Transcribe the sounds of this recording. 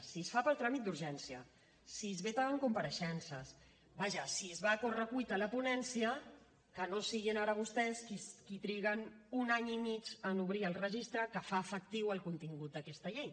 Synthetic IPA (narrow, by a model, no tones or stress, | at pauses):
siəsfapəlˠt̪ɾamit̪̚d̪uɾʒɛnsiə̰ | sizβet̪aəŋkumpəɾəʃɛnsəs | baʒəsizβakorəkujt̪ələpunɛnsijə | kənosiɣinaɾəβust̪ɛskiskit̪ɾiɣən | unaɲimit͡ʃənuβɾiəlˠrəʒist̪ɾəkəfaːfək̚t̪iwəlˠkunt̪iŋɡut̪̚d̪əkɛst̪əʎej